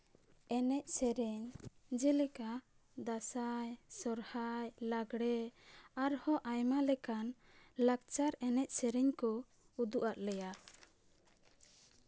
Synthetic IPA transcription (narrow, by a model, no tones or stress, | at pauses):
ɛnɛʔ̚sɛɾɛɲd͡ʒɛlɛka | d̪asajsɔɾhajlaɡɽɛaɾhɔʔajmalɛkan | lak̚t͡ʃaɾɛnɛcʔ̚sɛɾɛɲkɔ | ud̪uʔat̪̚lɛja